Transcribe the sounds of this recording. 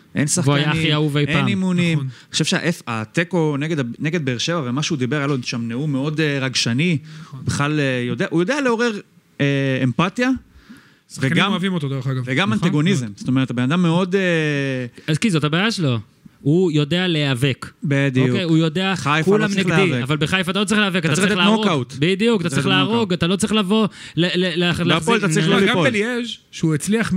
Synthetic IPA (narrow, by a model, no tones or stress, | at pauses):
ʔensaχvoaajaiauvejenimunimnio̥ʃevʃea̰ʔefat̪eko̞neɡed̪aneɡed̪beːʁʃe̞vavemaʃeud̪ibeʁjaloʃamneumeo̞deʁaɡʃaniubiχlaljo̞d̪eaʔujo̞d̪ealeo̞ʁeʁ | eempat̪ja | veɡamvimot̪od̪eʁaɡaveɡamant̪aɡo̞nizemst̪oeet̪abenad̪amːeo̞d̪e | azkizo̞thabaːjaʃelo̞ | ujo̞de̞ale̞ave̞kbed̪okejujo̞de̞aajkulamneɡeieavalbeχajfat̪alo̞t͡sʁiχleavekat̪aʁleaoʁokat̪bid̪ijukat̪at͡sʁiχlaaʁoɡat̪alo̞t͡sʁiχlavo̞ | lelelaχllt̪aʁiɡaobelieʃ | ʃuet͡sliaχ